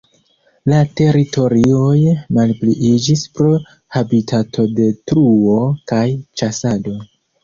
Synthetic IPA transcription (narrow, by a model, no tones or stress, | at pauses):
late̞ɾitʰo̞ɾio̞jmalpliʔid͡ʒispɾo̞ | habitʰatʰo̞de̞tɾuo̞kajt͡ʃasado̞